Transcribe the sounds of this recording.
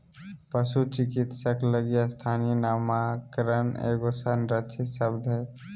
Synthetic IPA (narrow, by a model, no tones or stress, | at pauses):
pəsut͡ʃɪkɪt̪səkləɡijast̪ʰaːnijənaːmakɾənḛːɡosənɾət͡ʃʰɪʃəbd̪ʱɦɛ